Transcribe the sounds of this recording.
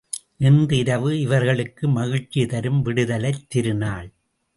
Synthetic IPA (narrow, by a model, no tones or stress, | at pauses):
nɪnd̪ɪɾɐʋɯɪʋɐɾɣɐɭɯkːɯmɐɣɪt͡ʃːit̪ɐɾɯmʋɪɽɯðɐlɐɪt̪ːɪɾɯnaːɭ